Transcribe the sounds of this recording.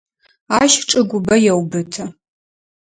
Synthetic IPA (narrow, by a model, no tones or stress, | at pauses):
aːʃʈ͡ʂʼɨɡʷʊbɐjɛwbɨtʰɐ